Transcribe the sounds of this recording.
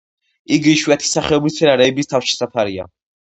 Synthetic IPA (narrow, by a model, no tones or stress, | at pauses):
iɡiʃwɛt̪ʰi̥saχɛɔbɾit̪sʰɛnaɾɛːbist̪ʰafʃi̥sapʰaɾia̰